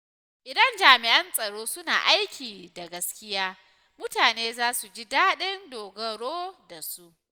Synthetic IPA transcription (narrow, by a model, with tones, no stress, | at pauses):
ʔɪ˨dɐ˦nd͡ʒaː˨mɪ˨ʔɐ˦nsʼɐ˨ɽoː˦sʊ˦na̰ː˨ʔa˦jkʲiː˨da˨ɡɐ˦skʲɪ˦jaː˦ | mʊ˦taː˨neː˦zaː˦su˨d͡ʒi˦daː˦ɗɪ˦ndoː˨ɡɐ˨ɽoː˦da˨su˦ʔ